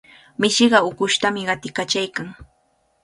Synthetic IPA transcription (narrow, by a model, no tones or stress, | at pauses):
mɪʃɪɢɑʊkʊʃt̪amɪɢɑt̪ɪkat͡ʃajkaŋ